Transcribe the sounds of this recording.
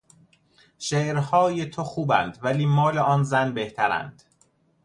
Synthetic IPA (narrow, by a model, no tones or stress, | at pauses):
ʃeːʔɾhɒːjet̪ʰoxuːbænd̪væliːmɒːleʔɒːnzænbe̞ht̪ʰæɾæ̰nd̪̥